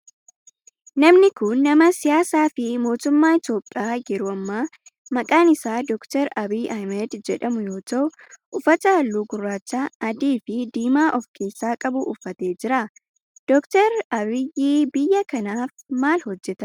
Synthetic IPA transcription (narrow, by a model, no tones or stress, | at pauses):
nɐmnɪkʊnːɐmɐsɪjaːsaːfɪmo̞ːt̪ʊmːaːɪt̪jo̞ːpʼːɪaːjɛɾʊɐmːaː | mɐkʼaːnɪsaːd̪ɔkt̪ɛɾɐbiːʔɐjmɛd̪d͡ʒɛᶑɐmʊjo̞ːt̪ɐʔʊ | ʔʊfɐt̪ɐhɐlːuːɡʊrːaːt͡ʃːaːɐd̪iːfɪd̪iːmaːʔɔfkʰe̞ːsːaːkʼɐbʊʔʊfːɐt̪e̞ːd͡ʒɪɾɐ | d̪̥ɔkt̪ɛɾɐbɪjiːbɪjːɐkɐnaːfmaːlhɔd͡ʒːɛt̪ɐ